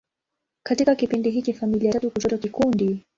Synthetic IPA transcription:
katikakipindiɦit͡ʃafamiliatatukutɔtakikundi

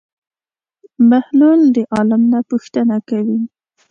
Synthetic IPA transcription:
mahluld̪əʔɑlamnapuxt̪ənakawi

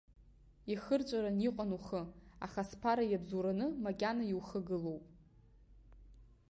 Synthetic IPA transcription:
iχərt͡ʃʷʼaɾaniqʷʼanuχəaχaspʰaɾajabzuɾanɨmakʲʼanajiwχəɡɨlo̞wpʼ

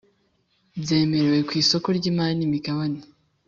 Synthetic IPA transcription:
bze̞ːme̞ɾewe̞kwiːso̞ko̞ɾɟiːmaːnimikaβane

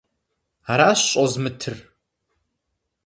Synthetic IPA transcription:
aɾaːɕɕʼozmɨtʰɨr

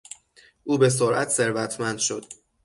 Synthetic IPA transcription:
ʔuːbe̞s̬oɾʔæt̪ʰse̞ɾvæt̪ʰmænd̪̥ʃod̪̥

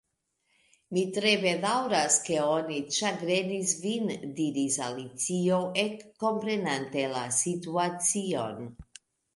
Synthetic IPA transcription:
mit̪ɾe̞ve̞d̪awɾaskeonit͡ʃaɡɾe̞nisvind̪iɾisalit͡sio̞ʔekːo̞mpɾe̞nant̪e̞lasit̪uat͡sio̞n

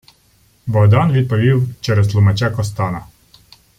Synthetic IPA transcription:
bɔɦd̪ɑnʋʲid̪̚pɔʋʲiwt͡ʃɛɾɛst̪lˠʊmɛt͡ʃakɔst̪ɑnɐ

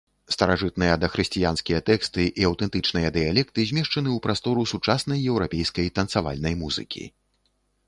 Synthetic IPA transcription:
st̪ɐɾaʐɨt̪̚nɨjɐd̪ɐxɾɨsʲt͡sʲijanskʲijɐt̪ɛkst̪ɨʔiɐwt̪ɛnt̪ɨt͡ʂnɨjɐd̪ɨjalʲɛk̚t̪ɨzʲmʲɛʂt͡ʂɐnɨupɾast̪ɔɾusut͡ʂasnɐjːɛwɾapʲejskɐjt̪ɐnt̪sava̰lʲnɐjmuzɨ̰kʲḭ

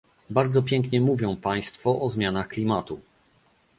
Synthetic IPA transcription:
baɾd̪zɔpʲjɛŋkɲɛmuvʲjɔ̃w̃paj̃st̪fɔʔɔzmʲjanaxklʲimat̪u

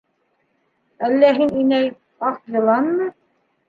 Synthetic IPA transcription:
ælːæɦininæj | ɑqjɤ̆lˠɑnːɤ

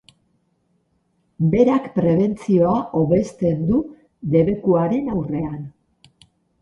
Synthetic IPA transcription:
be̞ɾakpɾe̞βe̞nt͡sio̞aʔo̞βe̞st̪e̞nd̪u | d̪e̞βe̞kuaɾe̞nawre̞an

